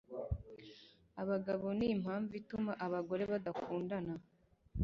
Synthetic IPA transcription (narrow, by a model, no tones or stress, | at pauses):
aβaɡaβo̞nim̥haːɱvitumaʔaβaɡo̞ɾe̞βadakuːndana